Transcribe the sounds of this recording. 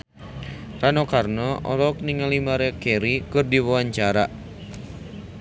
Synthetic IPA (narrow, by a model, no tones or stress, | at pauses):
ranokarnɔʔɔ̰lɔk̚niŋalimaɾɛkɛɾikɨrdiwawaɲt͡ʃaɾa